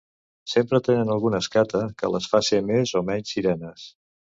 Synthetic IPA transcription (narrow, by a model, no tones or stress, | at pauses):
sempɾət̪enənəlˠɣunəskat̪əkə̰ləsfasimezomɛɲsiɾɛnəs